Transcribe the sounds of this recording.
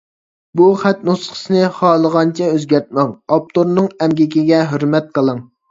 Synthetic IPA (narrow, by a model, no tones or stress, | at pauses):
buχæt̪̚nusχə̥sɨnɨχɑːlˠəʁɑnt͡ʃʰɛøzɡʲɛɾt̪̚mɛŋɑp̚t̪ʰoɾnɨŋɛmɡʲɪkʲiɡʲɛɦøɾmɛt̪̚qʰəlˠəŋ